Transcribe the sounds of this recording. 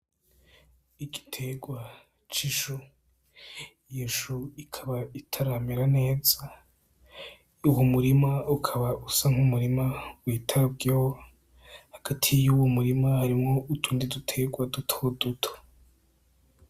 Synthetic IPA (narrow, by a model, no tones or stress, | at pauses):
iɡi̥tʰe̞ɡwa | t͡ʃiʃu | jeʃuikʰaβaitʰaɾamiɾane̞ːza | uwomuɾimaukʰaβaʔusaŋ̥humuɾimawiːtʰab̚ɡo | haɡ̥atʰijuwomuɾimahaɾimŋo̞ʔutʰuːndidutʰe̞ɡwadutʰodutʰo̥